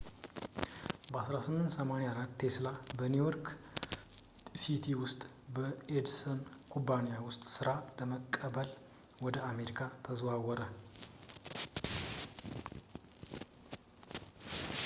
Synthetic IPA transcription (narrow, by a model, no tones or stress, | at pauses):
bəasɾasɨmːɨnt̪səmaneaaɾat̪ːe̞slabənijoɾk | sit̪ʰiwʊst̪ʼ | bəed̪sənkʰubanijawʊst̪ʼsɨɾaləməkʼːəbəl | wɔd̪əame̞ɾikʰat̪ʰəzwawɔɾə